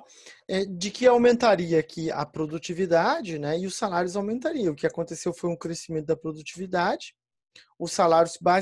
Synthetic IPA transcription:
ɛd͡ʒɪkɪawmẽnt̪aɾiɐːkʰiɐ̰pɾod̪ut͡ʃivid̪ad͡ʒɪnɛɪʊsalaɾjʊzawmẽnt̪aɾiɐ̃ʊkɪakõnt̪esewfojʊ̃kɾesimẽnt̪ʊd̪ɐpɾod̪ut͡ʃivid̪ad͡ʒɪ | ʊsalaɾjʊzba

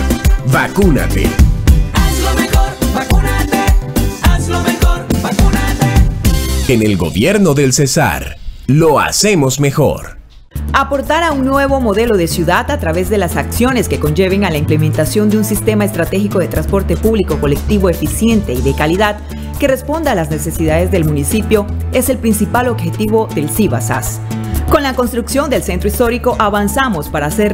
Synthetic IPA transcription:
bakuna̰t̪ḛa | a | enelɡo̞̰βje̞ɾno̞ðe̞lsesa̰ɾlo̞a̰semo̞zme̞xo̞̰ɾ | apo̞ɾt̪aɾauŋnwe̞β̞o̞mo̞ðe̞lo̞ðe̞sjuðat̪at̪ɾaβe̞zðe̞lasaksjo̞ne̞ske̞ko̞nd͡ʒe̞β̞e̞ŋalaimple̞mẽnt̪asjo̞nd̪eunsist̪e̞maest̪ɾat̪e̞xiko̞ðe̞t̪ɾãnspo̞ɾt̪e̞puβliko̞ko̞lek̚t̪iβo̞efisje̞nt̪e̞iðe̞kaliðað | ke̞re̞spo̞nd̪aalazne̞se̞siðaðe̞zðe̞lmũnisipjo̞e̞se̞lpɾinsipalo̞βxe̞t̪iβo̞ðe̞lsiβasa̰s | konlako̞nst̪ɾuksjo̞nd̪e̞lse̞nt̪ɾo̞ist̪o̞ɾiko̞ʔaβansamo̞spaɾaːse̞ɾ

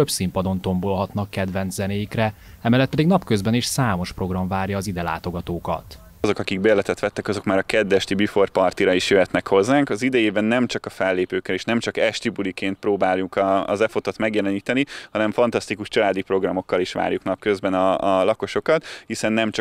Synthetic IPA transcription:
øbsimpɒd̪o̞nt̪o̞mbolɦɒt̪nɒkːɛd̪vɛnt̪zzɛneːjikrɛɛmɛːlːɛt̪pɛd̪iɡnɒpkø̞zbɛniʃsaːmo̞ʃpro̞ɡrɒɱvaːrjɒːzid̪ɛla̰ːt̪o̞ɡɒt̪oːkɒ̰t̪ | zo̞kɒkiɡbeːlɛt̪ɛt̪ʋɛt̪ːɛkɒzo̞kmaːɾɒkɛd̪ːɛʃt̪ibifo̞r̚pɒrt̪iɾɒiʃjøɦɛt̪nɛkho̞zːaːŋkɒzid̪ɛjeːbɛnːɛmt͡ʃɒkɒfɛlːeːpøːkːɛleːʃnɛmt͡ʃɒkɛʃt̪ibulikeːnt̪̚proːbaːlukɒ̰zɛfot̪ot̪mɛɡjɛlɛniːt̪ɛniɒnɛɱfɒnt̪ɒst̪ikuʃt͡ʃɒlaːd̪ipɾo̞ɡrɒmo̞kːɒliʃʋa̰ːɾjuknɒp̚køzbɛnɒlɒko̞ʃo̞kɒt̪hisɛnːɛmt͡ʃ

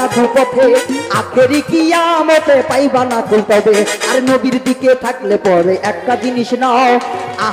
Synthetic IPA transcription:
aɡʱupɔt̪ʰeak̪ʰeɾikijamot̪epajbanak̪ʰult̪ad̪eaɾnobiɾd̪iket̪ʰaklepɔɾeʔɛk̚ʈad͡ʑiniʃnaa

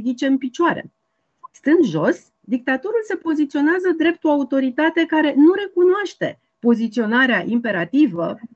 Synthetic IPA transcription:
d̪it͡ʃe̞ɨnpit͡ʃaɾe̞̰ | st̪ɨnd̪ʒo̞s | d̪ik̚t̪at̪o̞ɾulse̞po̞zit̪sio̞neazəd̪ɾe̞p̚t̪uaut̪o̞ɾit̪at̪e̞kaɾe̞nuɾe̞kunoaʃt̪e̞ | po̞zit̪sio̞naɾeaʔimpe̞ɾat̪ivə

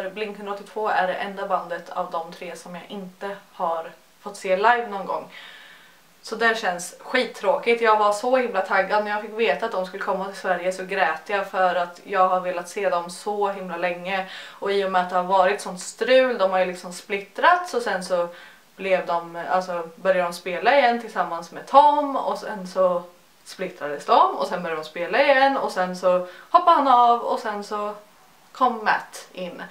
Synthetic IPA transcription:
ɾblɪnkhɵnɾɔt̪ːɪt̪ʰvoːæɖɛʔɛnd̪aband̪ət̪ʰa̰vd̪ɔmt̪ʰɾeːsɔmjɑːʔɪnt̪əhaɾ | fɔt̪ːseːlajvnɔnɡɔ̰ŋː | sɔd̪æɕɛnsɧiːt̪ʰːɾoːkɪt̪jɑːɡvaʂɔhɪmlat̪ʰaɡːad̪̚mɛnjaːɡfɪkːveːt̪at̪̚d̪ɔmskɵlːəkʰɔmːat̪ʰɪlsvæɾjəsɔɡɾɛːt̪ːəjɑfœɾat̪jɑːɡɦaɾveːlat̪seːd̪ɔmsɔɦɪmlalɛŋːəɔiːʊmɛat̪̚d̪ɛhaɾvɑːɾɪt̪sɔnt̪st̪ɾʉ̟ːld̪ɔmhaɾjlɪksɔmsplɪt̪ɾat̪sɔsɛnsɔ | b̥lɛvd̪ɔma̰lsɔbœɾjad̪ɔmspeːlaɪjɛnt̪ʰɪlsamːansmɛːt̪ʰɔmːɔ̰sɛnsɔ | splɪt̪ɾad̪əsd̪ɔmɔ̰sɛnbœɾjad̪ɔmspeːlaɪjɛnːɔ̰sɛnsɔhɔpːahanavɔ̰sɛnsɔ | kʰɔmːæ̰t̪ɪnː

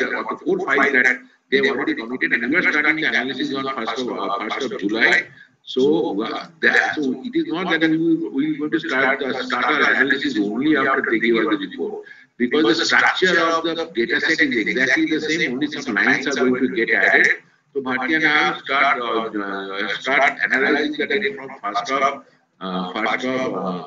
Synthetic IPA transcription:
ɔ̰nd̪əfoːɾfaɪld̪æʈ | d̪eɾɔlɾɹeɖikə̃miʈeɖɛ̃nʋiaɾsʈaɾʈĩŋd̪əænalɪsɪsɔ̃nfəsʈɔfəɾsʈɔvd͡ʒulaɪ | so | d̪soɪʈɪznɔʈ̚d̪æʈiiʋiɡõɪ̃ŋʈusʈaːɾʈd̪əsʈaːɾʈaɾænalisɪsõːnliafʈəɾd̪eɡeʋaɾd̪əɾipo̰ʈ̚ | bɪkɔːzd̪əsʈɾɐk̚t͡ʃəɾɔʋd̪əɖeːʈasɛʈɪzeɡzæk̚ʈlid̪əsẽːmõːnlisɐ̃mlãɪ̃nsaɾɡoɪ̃ŋʈuɡɛʈæɖeɖ | sobʱat̪janasʈaːɾʈ | sʈaːɾʈɖɛ̰nəlaɪzɪ̃ŋd̪ɛʈefɾɔ̃mfəɾsʈɔp | fəɾsʈɔp

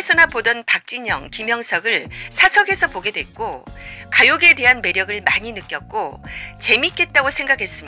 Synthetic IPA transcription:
sʰʌnapodʌnpak̚t͡ɕ͈iɲʌ̰ŋkimjʌŋsʰʌɡɯɭsʰasʰʌɡe̞sʰʌpoɡe̞dwe̞k̚k͈okajoɡe̞de̞ɦanme̞ɾjʌɡɯɭmaɲinɯk͈jʌk̚k͈ot͡ɕe̞mik͈e̞t̚t͈aɡosʰe̞ŋɡakʰe̞s͈ɯmɲia

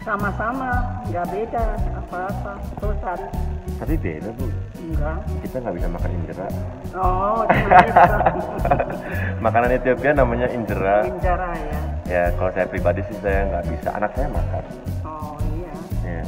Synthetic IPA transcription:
samasamaɡabedasəŋapaapat̪əut̪aɾt̪apibḛdat̪u | ɡakit̪aŋɡaʔbisamakaniɲd͡ʒəɾaɔ | makananet̪iopianamaɲaʔiɲd͡ʒəɾaiɲd͡ʒəɾajajakalosajapɾibadisɪsajaŋɡaʔbisa̰ʔa̰nak̚sajama̰ka̰n | ɔiaja

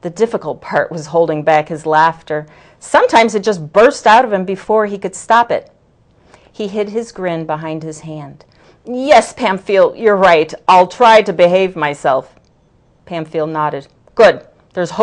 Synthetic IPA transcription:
ðɨdɪfəkl̩ˠt̚pʰɑɹʔwʌz̥ɦoʊlˠdɪ̃ŋbækhɨzlæftə˞ | sʌ̃mtʰãɪ̃mzɨt̚d̥ʒ̥ʌs̬b̥ɜ˞staʊɾʌv̥ɨ̃mbɨfɔɹikɨd̥stɑpɪ̰t̚ | hiɦɪd̚ɨzɡɹɪ̃nbəɦãɪ̃nd̚ɨz̥hæ̃nd̥ | jɛspʰæ̃mfilˠdjə˞ɹaɪɾʔaɪlˠtʰɹ̥aɪɾɨbɨɦeɪvmaɪsɛlˠf | pʰæ̃mfilˠdⁿnɑɾɨd̥̚ | ɡ̥ʊd̚ | ðə˞z̥h

